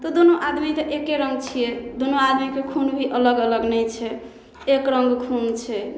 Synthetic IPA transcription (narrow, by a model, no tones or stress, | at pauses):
t̪ɔd̪onoʔad̪mit̪ɔʔekeɾəŋɡt͡ʃʰijed̪onoad̪mikekʰunbʱiʔələɡələɡnəjt͡ʃʰɛ | ekɾəŋɡkʰunt͡ʃʰɛ